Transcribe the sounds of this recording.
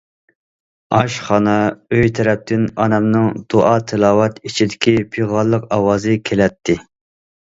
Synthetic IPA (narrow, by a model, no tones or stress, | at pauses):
ɑʃχɑnɛøjt̪ʰɛɾɛp̚t̪ʰɪnɑnɛmnɨŋd̪̥oʔɑːt̪ʰɪlˠɑːwɛt̪it͡ʃʰid̪ɪkʲipʰiʁɑlˠːəqɑwɑːzɨkʲʰelɛt̪ʰːɪ